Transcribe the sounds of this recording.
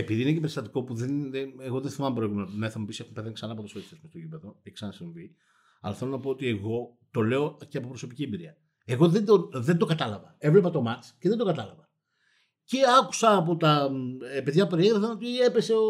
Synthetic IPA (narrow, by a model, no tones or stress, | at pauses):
epiðiinecepeɾist̪ɐt̪iko̞puðeneɣo̞ðenθimɐmpɾoeɣumnɐθɐmepisie̞xumpe̞ðeŋksɐnɐpot̪osest̪esmost̪oʝipe̞ðoeksɐnɐsiɱvi | ɐ̰lɐθe̞lo̞nɐpoot̪ie̞ɣo̞ | t̪o̞le̞o̞ceɐpopɾo̞so̞piciebiɾiɐ | eɣo̞ðend̪oðe̞nd̪o̞kɐt̪ɐlɐvɐe̞vlepɐt̪o̞mɐt͡sceðend̪o̞kɐt̪ɐlɐvɐ | ce̞ɐku̥sɐːp̬o̞t̪ɐpe̞ðʝɐpeɾieɣɾefɐno̞t̪ie̞pe̞se̞o